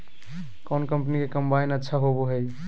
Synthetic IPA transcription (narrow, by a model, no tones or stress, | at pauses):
kɔnkəmpnikekəmbainətːʃʰaɦoboɦəj